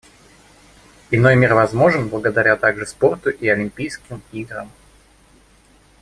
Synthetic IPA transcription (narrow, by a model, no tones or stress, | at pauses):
ɪno̞jmʲirvɐzmo̞ʐɨnblˠəɡəd̪ɐɾʲat̪aɡʐɨspo̞rt̪ʊʔiɐlʲɪmʲpʲijskʲɪmiɡɾə̰m